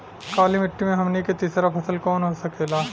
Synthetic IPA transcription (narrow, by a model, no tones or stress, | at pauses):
kaːlimɪʈːimẽɦɐmniket̪iːsɾapʰɐsəlkɔːnɦosɐkeːlaː